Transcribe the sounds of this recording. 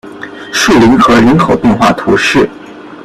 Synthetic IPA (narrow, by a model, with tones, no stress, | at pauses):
ʂu˥˩li˧˥nxɤ˧˥ɻə˧˥nkʰo˨˩ʊpjɛ˥˧nxwa̰˥˩t̪ʰu˧˥ʂɻ̩˥˩